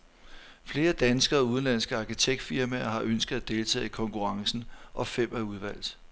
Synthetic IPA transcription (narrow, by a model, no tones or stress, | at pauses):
fle̝ːɐd̥ænsɡ̥ɐːuð̞ˠn̩læn̰sɡ̥əɑ̈kʰit͡sʰeɡ̥̚d̥fiɐmæɐɦɑ̈ʔønsɡ̥əð̞̩ˠæd̥e̝lt͡sʰɛ̰ːikʰɒ̽ŋkʰuʁɑ̈ŋsn̩ʔɒ̽fem̰æɐuð̞ˠʋæl̰d̥ˠ